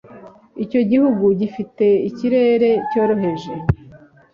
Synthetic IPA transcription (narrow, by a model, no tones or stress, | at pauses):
ico̞ɟihuɡuɟifite̞iciɾe̞ːɾe̞co̞ːɾo̞ɦe̞ʒe̞